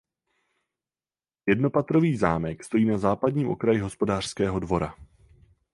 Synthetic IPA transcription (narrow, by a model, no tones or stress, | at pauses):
jɛdno̞pat̪ɾo̞viːzaːmɛkst̪o̞jiːnazaːpadɲiːmʔo̞̰kɾajɪɦo̞spo̞daːr̥skɛːɦo̞dvo̞ɾa